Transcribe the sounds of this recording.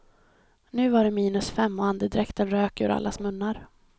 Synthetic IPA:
nʉ̟ːvaɖɛmiːnɵsfɛmːɔand̪əd̪ɾɛkt̪ənɾøːkʉ̰ɾa̰lːasmɵnːaɾ

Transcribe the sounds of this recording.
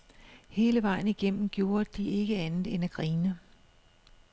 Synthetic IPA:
he̝ːləʋɑ̈ɪ̰n̩iɡ̥en̰m̩ɡ̥jo̝ːɐd̥ie̝ɡ̥əænð̩ˠenæɡ̥ʁiːnə

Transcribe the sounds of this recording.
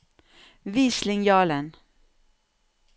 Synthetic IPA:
viːslɪŋjɑːlən

